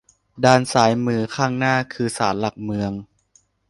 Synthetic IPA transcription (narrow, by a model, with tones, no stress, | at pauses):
daː˧nsaː˩˦jmɯː˧kʰaː˥˩ŋnaː˥˩kʰɯː˧saː˩˦nla˨˩k̚mɯ˧əŋ